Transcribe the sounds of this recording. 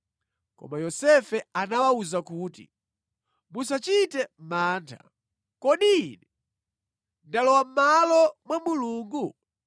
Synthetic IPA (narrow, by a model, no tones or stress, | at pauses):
kɔ̰majɔsɛfɛanawauzakuːtḭ | mus̬at͡ʃitɛm̩maːntʰa̰ | kɔɗinɛ | ndalɔwam̩malɔmwamuluːŋɡu